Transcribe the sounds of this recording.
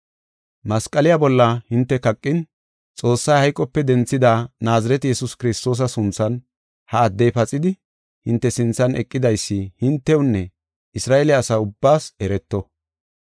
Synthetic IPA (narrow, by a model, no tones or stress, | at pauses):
mɐskʼːɐlɪjabɔlːɐhɪnt̪ːɛkɐkʼːɪn | t͡sʼo̞ːsːɐjhɐjkʼːɔpːɛd̪ɛnt͡sːɪd̪aːnaːzɐɾɛt̪jɛsʊskɪɾɪst̪o̞ːs̬ɐsʊnt͡sːɐn | hɐːd̪ːɛjpɐt͡sʼɪd̪ɪ | hɪnt̪ːɛsɪnt͡sːɐnʔɛkʼːɪd̪ɐjsːɪhɪnt̪ːɛwʊnːɛ | ɪsɾaːʔelɪaːsaːʊbːaːsɛɾɛt̪ːɔ